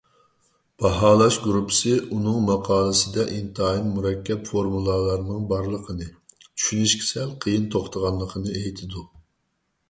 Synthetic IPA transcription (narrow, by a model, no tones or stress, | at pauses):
b̥ɑɦɑːlˠɑʃɡɾupʰə̥sɨunɨŋmɑqʰɑːlˠɨsɨd̪ɛʔint̪ʰːinmuɾɛkʲʰːɛpfoɾmulˠɑlˠɑɾnɨŋbɑɾlˠəqʰənɨt͡ʃʰy̥ʃynyʃkʲʰi̥sɛlqʰəjɨnt̪ʰoχt̪ʰəʁɑnlˠəqʰənɨejt̪ʰɪd̪u